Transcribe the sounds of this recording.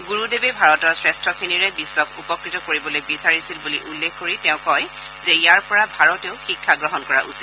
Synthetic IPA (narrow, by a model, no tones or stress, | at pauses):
ɡuɹudebebʱaɹɔtɔɹsɹɛstʰɔkʰiniɹɛbisːɔkʰupɔkɹitɔkoɹibɔlojbisaɹisilbuliʔulːekʰkoɹitɛʊ̃kɔj | zɛijaɹpɔɹabʱaɹɔteʊxikʰːaɡɹɔɦɔnkɔɹa̰ʔusit